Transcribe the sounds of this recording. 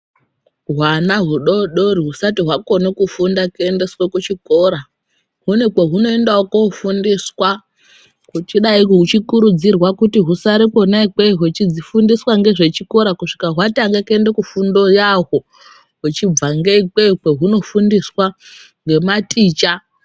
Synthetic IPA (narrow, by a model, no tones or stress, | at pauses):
ɦwanaɦuɗo̞ɗo̞ɾiɦusatiɦwako̞nekufundakende̞swakut͡ʃiko̞ɾa | ɦunekeɦuno̞endaokoufundiswa | kut͡ʃiɗaikɦut͡ʃikuɾud͡zirwakutiɦusaɾiko̞naikeɦet͡ʃid͡zifundiswaŋɡe̞ʐe̞t͡ʃiko̞ɾakuʂi̥kaɦwataŋɡekendekufundo̞jaɦo̞ | ɦut͡ʃib͡vaŋɡeikekeɦuno̞fundiswa | ŋɡe̞matiːt͡ʃa